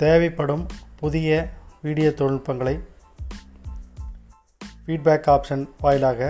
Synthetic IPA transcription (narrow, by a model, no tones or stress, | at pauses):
t̪eːʋɐɪpːɐɽɯmpʊðɪjɐʋiːɽɪjɐt̪ːɔɻɯɻpːɐŋɡɐɭɐɪ | fiːɖ̚baːkːaːpʂɐnʋaːjɪlaːɣɐ